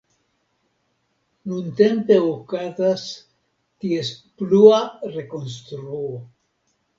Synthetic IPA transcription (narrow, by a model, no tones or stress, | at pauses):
nunte̞mpe̞okazas | tie̞spluaɾe̞ko̞ns̬t̪ɾuo